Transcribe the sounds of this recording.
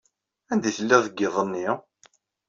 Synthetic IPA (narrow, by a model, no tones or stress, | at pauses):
ænd̪iθəlːiʁðəɡːeðˤənːi